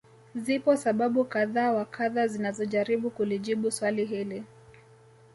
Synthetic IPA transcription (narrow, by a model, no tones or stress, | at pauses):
zipɔsaɓaɓukaðaːwakʰaðazinazɔʄaɾiɓukuliʄiɓuswaliɦili